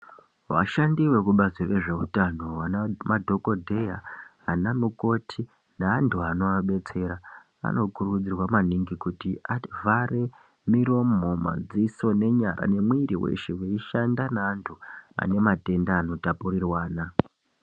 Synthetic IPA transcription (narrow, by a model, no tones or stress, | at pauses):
ʋa̰ʃandiwe̞kuɓazire̞ʐe̞utano̞wanamadʱo̞ko̞dʱe̞ja | anamuko̞tʰi | naːntʰuano̞aɓe̞t͡se̞ɾa | a̰no̞kurud͡zirwamaniŋɡikutiavʱare̞ | miɾo̞moma̰d͡ziso̞ne̞ɲaɾʔa̰ne̞mwiːɾiwḛʃeweiʃandanaːntʰua̰ne̞mate̞ndaːno̞tapurirwaːna